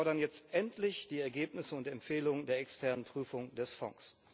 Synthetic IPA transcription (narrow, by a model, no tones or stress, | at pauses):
ɔɐɾɐnjɛt͡stʔɛntʰlɪçd̥iːɛɐɡeːpnɪsəʊntɛmpfeːlʊŋəndeːɐɛkstʰɛɐnənpʁ̥yːfʊŋdɛsfɔ̰ŋs